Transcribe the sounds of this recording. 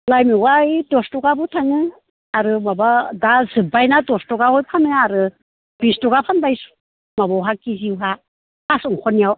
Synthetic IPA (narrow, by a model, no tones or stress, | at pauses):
lajmiwajdɔstɔɡabutʰaŋɯ | aɾɯmabadazɯbajnadɔstɔɡahɔjpʰanɯaɾɯ | bistɔɡapʰanbajsu̥ | mabɔwɦakiziwɦa | asuŋkʰɔnijaw